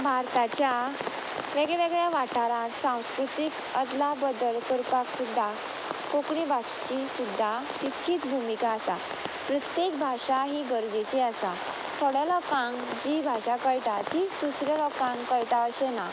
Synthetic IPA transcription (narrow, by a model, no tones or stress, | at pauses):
bʱaɾt̪at͡ɕja | ʋeɡɭɛʋeɡɭjaʋaʈaɾãt̪sãw̃skɾut̪ik | əd̪labəd̪əlkəɾpaksud̪ʱːa | kokɳibat͡ɕt͡ɕisud̪ʱːat̪it̪kʰiːt͡sbʱumikaːsa̰ | pɾət̪jekbʱaɕaɦiɡəɾd͡ʑet͡ɕiasa | t̪ʰɔɽɛlɔkãŋ | d͡ʑibʱaɕakəjʈ̪at̪iːt͡sd̪usɾjalɔkãŋkəjʈ̪aəɕena